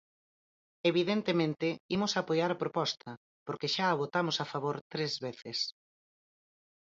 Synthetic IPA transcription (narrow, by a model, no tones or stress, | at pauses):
eβ̞iðent̪emẽnt̪ɪimʊsaːpojaɾapɾopɔst̪ʰɐ | poɾkeʃaːβ̞ot̪amʊsafaβoɾt̪ɾezβeθɪs